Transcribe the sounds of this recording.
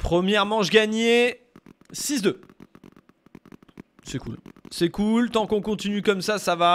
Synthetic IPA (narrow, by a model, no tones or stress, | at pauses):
pχəmjɛʁmɑ̃ʒɡaɲe | sisd̪ø | sɛkṵlsɛkult̪ɑ̃kɔ̃kɔ̃t̪inykɔmsasava